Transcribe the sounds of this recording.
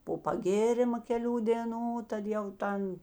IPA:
poː pɐˈɡʲeːrʲɪmɐ kʲɛˈlʲuː dʲeːˈnuː ˈtɐt jɛʊ ˈtɐn

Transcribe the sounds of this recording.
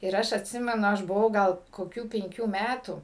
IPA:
ɪr ˈɐʃ ɐtʲˈsʲɪmʲɛnʊ ˈɐʃ bʊˈʋɐʊ ɡɐlˠ koːˈkʲuː pʲɛŋʲˈkʲuː ˈmʲætuː

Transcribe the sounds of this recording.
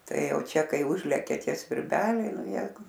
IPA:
ˈtɐɪ ˈjɛʊ ˈt͡ʃʲɛ ˈkɐɪ ˈʊʒʲlʲɛkʲɛ ˈtʲiɛ sʲʋʲɪrʲˈbʲæːlʲɛɪ ˈnʊ ˈjɛɪɡʊ

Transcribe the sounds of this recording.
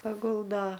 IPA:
pɐˈɡʊlˠdoː

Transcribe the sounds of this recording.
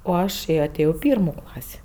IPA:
oː ˈɐʃ ɐˈtʲeːjoː ɪ ˈpʲiːrmuː ˈklˠɑːsʲiː

